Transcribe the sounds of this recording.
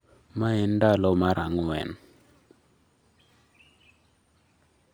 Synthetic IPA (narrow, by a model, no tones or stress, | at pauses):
maɛndalɔmaɾʔaŋuwɛ̰n